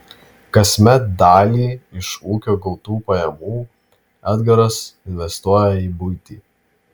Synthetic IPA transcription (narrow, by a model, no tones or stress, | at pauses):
kɐsʲmʲɛt̪̚d̪ɑːlʲiːɪʃuːkʲoːɡɐlˠt̪uːpɐjɛmuː | æːd̪ɡɐɾɐsɪnʲʋʲɛst̪uɔjɛiːbʊɪt̪ʲiː